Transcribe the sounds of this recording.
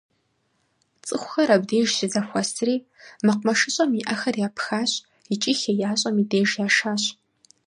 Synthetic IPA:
t͡sʼɨxʷʊxɐɾɐbdeːʒsɨzɐxʷɐsʰriː | mɨqʷmɐʂɨɕʼɐmiʔɐxɐrjaːpʰxaːɕʼ | it͡ʃʼiːxejaːɕʼɐmideːʒjaːʂaːɕ

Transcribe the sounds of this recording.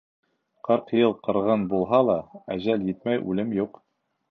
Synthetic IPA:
qɤɾqjɤlˠqɤ̆ɾʁɤnbulˠɦɑlˠɑæʑæljɘt̪mæjʔʉlɘmjuq

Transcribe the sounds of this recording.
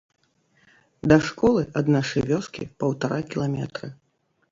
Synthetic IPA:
d̪ɐʂkɔlˠɨʔɐd̪naʂɐjvʲɔskʲḭpɐwt̪aɾʔakʲilˠamʲɛt̪ɾɨ

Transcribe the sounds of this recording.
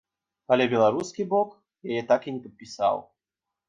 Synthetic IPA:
alʲɛbʲɛlˠaɾuskʲibɔk | jajɛt̪akinʲɛpɐt̪̚pʲisa̰w

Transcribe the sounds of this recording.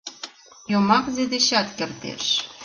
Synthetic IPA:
jomɑkzed̪eɕɑt̪kert̪ḛʃ

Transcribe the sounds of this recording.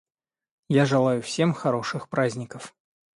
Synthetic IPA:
jaʐɨlˠajʊfsʲe̞mxɐɾo̞ʂɨxpɾazʲnʲɪkəf

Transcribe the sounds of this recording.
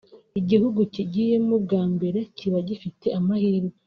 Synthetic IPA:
iɟihuɡuciɟije̞mub̚ɡaːmbe̞ɾe̞cʰiβaɟifite̞amahiɾɡo

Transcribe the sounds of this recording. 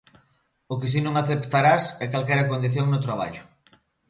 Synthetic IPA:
ʊkɪs̬inõŋaθept̪aɾasɛkalkɛjɾɐkond̪iθjoŋnʊt̪ɾaβ̞a̰ʎʊ

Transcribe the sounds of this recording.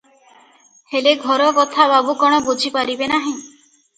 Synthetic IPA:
heleɡʱɔɾɔkɔt̪ʰababukɔɽ̃ɔbud͡ʒʱipaɾibenaɦĩ

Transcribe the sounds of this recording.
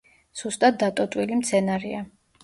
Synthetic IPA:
z̥ust̪ʼat̪̚d̪at̪ʼɔt̪ʼwilimt̪sʰɛnaɾḭa

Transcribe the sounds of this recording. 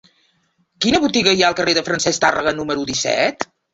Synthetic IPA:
kinəβut̪iɣəiaəlˠkəreðəfɾənsɛst̪arə̰ɣənuməɾuðisɛ̰t̪

